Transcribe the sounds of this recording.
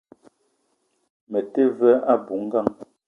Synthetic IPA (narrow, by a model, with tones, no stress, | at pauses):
mɛ˨te˦˨vɛ˦a˦˨bu˨˦ŋ̩˦ɡa˦ŋ